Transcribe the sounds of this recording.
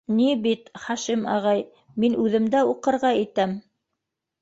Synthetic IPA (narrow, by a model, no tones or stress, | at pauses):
nibit̪χɑʃimɑ̰ʁɑj | minʔʉðɘ̆md̪æuqɤ̆ɾʁɑit̪æm